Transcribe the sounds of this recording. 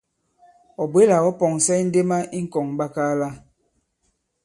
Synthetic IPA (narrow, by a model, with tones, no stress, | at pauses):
ɔ˨bwe˦la˨wɔ˦pɔ˨ŋ˨sɛ˦i˦n̩˦de˦ma˦ʔi˦ŋ̩˦kɔ˨ŋba˦kaː˦la˦